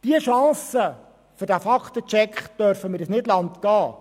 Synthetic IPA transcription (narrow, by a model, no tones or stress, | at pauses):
d̥iəʃɑ̃ːsə | føɾdæfɑkt̪ət͡ʃɛkχd̥œɾfəmɪːɾɪsnɪdlɑnt̪ɡ̥ɑː